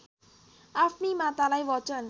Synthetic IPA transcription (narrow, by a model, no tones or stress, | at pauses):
afnimat̪alajwɔt͡ʃən